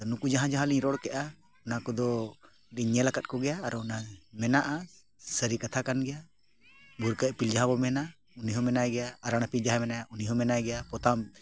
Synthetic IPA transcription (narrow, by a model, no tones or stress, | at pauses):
t̪anukud͡ʒaɦãd͡ʒaɦãliɲɾɔɽkɛʔa | nakɔd̪ɔ | diɲɛlakat̪̚kɔɡɛjaːɾnamɛnaʔa | səɾikat̪ʰakanɡɛja | bʱuɾkəʔ̚pild͡ʒaɦãbɔmɛna | uniɦɔmɛnajɡɛjaːɾaɽ̃apild͡ʒaɦãmɛnajauniɦɔmɛnajɡɛjapɔt̪am